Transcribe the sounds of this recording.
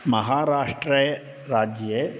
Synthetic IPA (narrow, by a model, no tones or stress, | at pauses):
mɐɦaːɾaːʂʈɾəj | ɾaːd͡ʒə